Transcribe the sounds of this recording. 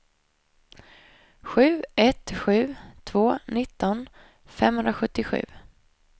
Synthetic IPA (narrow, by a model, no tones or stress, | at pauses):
ɧʉ̟ːɛt̪ɧʉ̟ːt̪ʰvoːnɪt̪ːɔn | fɛ̰mhɵnɾaɧɵt̪ːɪɧʉ̟̰ː